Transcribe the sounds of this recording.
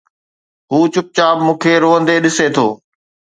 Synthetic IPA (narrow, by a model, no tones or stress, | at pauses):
ɦuːt͡ɕʊp̚t͡ɕaːbmũːkʰeɾoːə̃nd̪eɗɪset̪ʰoː